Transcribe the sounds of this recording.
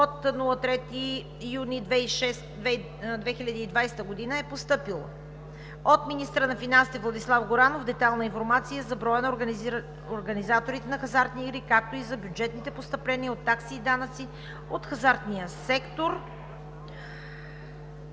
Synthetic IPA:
ot̪nulˠət̪ɾɛt̪i | junid̪vɛiʃɛsɛ | d̪vɛxilʲəd̪iːd̪vajsɛ̥t̪əɡod̪inəɛpost̪ɤpilˠə̰ | ot̪minist̪ɾənɐfinansit̪ɛvlˠɐd̪islˠafɡoɾanovd̪ɛt̪alˠnəinfoɾmat̪sijəzɐbɾɔjənɐ | oɾɡɐnizat̪oɾit̪ɛnɐxɐzaɾt̪niːɡɾikak̚t̪oizɐbjud͡ʒɛt̪nit̪ɛpost̪ɐplɛniəot̪ːaksiːd̪anət̪si | ot̪xɐzaɾt̪nijəsɛkt̪oɾ

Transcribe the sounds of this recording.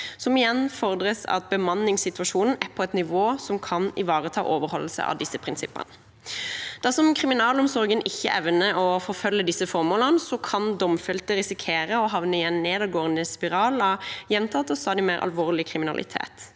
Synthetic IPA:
sɔmɪjɛnːfɔɾd̪ɾəsɑ̰t̪̚bəmɑnːɪŋsɪt̪ʋɑʃuːnn̩æpʰɔɛt̪nɪʋoːsɔmkʰɑnɪ̰ʋɑːʁət̪ʰɑ̰ːʔoːʋəɾhɔlːəsə̰ɑ̰d̪ɪsːəpʰʁɪnsɪpːə̰nə | d̪̥ɑʁsɔmkʰʁɪmɪnɑːlɔmsɔɾɡənʔɪçːə̰ʔɛʋnəʔɔfɔɾfœlːəd̪ɪsəfɔɾmoːlənsɔkʰɑnd̪ɔmfɪlt̪əɾɪsɪkʰeːɾəɔɦɑʋnəɪjɛnneːd̪ɑɡoːənd̪əspɪʁɑːlɑjɛnmt̪ʰɑt̪ɔsɑːd̪ɪmeːɾʔɑ̰lʋoːʁlɪkʰɾɪmɪnɑ̰lʔɪ̰t̪ʰḛːt̪

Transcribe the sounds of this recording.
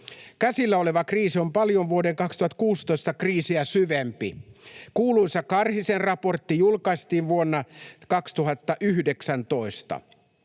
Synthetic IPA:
kæsilːæole̞ʋɑkriːsio̞mpɑljo̞nʋuodeŋkɑkst̪uhɑt̪kuːst̪oist̪ɑkriːsiæsyʋempḭkuːluinsɑkɑrhisenrɑpo̞rt̪ːijulkɑist̪iːʋʋuonːɑkɑkst̪uɦɑt̪ːɑʔyhdeksænt̪o̞ist̪ɑ̰

